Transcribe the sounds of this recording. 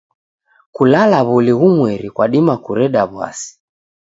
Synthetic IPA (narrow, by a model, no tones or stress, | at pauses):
kulalaβuliɣumwɛɾikwaɗimakuɾɛɗaβwa̰si̥